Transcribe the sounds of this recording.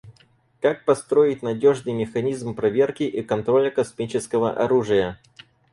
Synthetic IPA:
kak̚pɐst̪ɾo̞jɪt̚ʲnɐdʲo̞ʐnɨjmʲɪxɐnʲizmpɾɐvʲe̞rkʲɪʔikɐnt̪ɾolʲəkɐsmʲit͡ɕɪskəvə̰ʔɐɾuʐɨjə

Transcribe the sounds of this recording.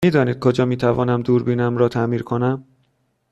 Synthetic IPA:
miːd̪ɒːniːd̪̚kʰod͡ʒɒːmiːt̪ʰævɒːnæmd̪uːɾbiːnæmɾɒːt̪ʰæmiːɾkʰonæm

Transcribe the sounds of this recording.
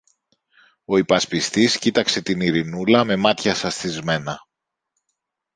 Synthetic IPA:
o̞ipɐspist̪iscit̪ɐkse̞t̪iniɾinulɐme̞mɐt̪çɐsɐsθizme̞nɐ

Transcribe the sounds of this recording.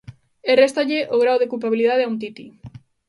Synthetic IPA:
erest̪aʎɪʔoɣɾawðekulpaβiliðað̞eaunt̪it̪i

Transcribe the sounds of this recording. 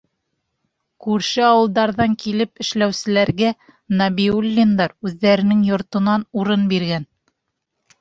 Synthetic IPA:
kʉɾʃɘɑwɤ̆lˠd̪ɑɾðɑŋkilɘpɘ̆ʃlæwsɘ̆læɾɡæ | nɑbiulʲːind̪ɑɾʉðːæɾɘ̆nɘŋjŏɾt̪ɤ̆nɑnuɾɤnbiɾɡæn

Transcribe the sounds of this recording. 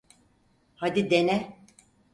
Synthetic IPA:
had̪id̪enɛ

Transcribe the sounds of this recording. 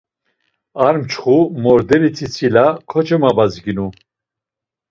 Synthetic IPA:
aɾmt͡ʃʰχumɔɾd̪ɛɾit͡sʰit͡sʰilakʰɔt͡ʃʰʼɛmabazɡinu

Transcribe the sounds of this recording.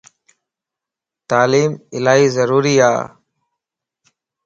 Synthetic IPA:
t̪aːliːmɪlaːɦiːzəɾuːɾiːa̰ː

